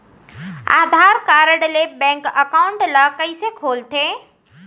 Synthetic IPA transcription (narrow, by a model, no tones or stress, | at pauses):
a̰ːd̪ʱaːɾkaːɾəɽlebɛ̃ːŋkəkaːwʊɳʈlɐkəisekʰoːlt̪ʰeː